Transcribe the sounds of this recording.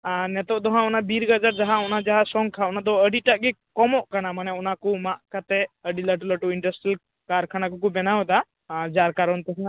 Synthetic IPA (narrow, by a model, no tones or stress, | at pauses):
aɾnɛt̪ɔʔd̪ɔɦãɔnabiɾɡəd͡ʒaɾd͡ʒaɦaɔnad͡ʒaɦasɔŋkʰaɔnad̪ɔəɖiʈaʔɡɛkɔmɔʔkanamanɛɔnakumaʔkat̪ɛəɖiləʈuləʈuiɳɖəsʈil | kaɾkʰanakɔkubɛnawɔd̪a | aɾd͡ʒaɾkaɾɔnt̪ɛɦa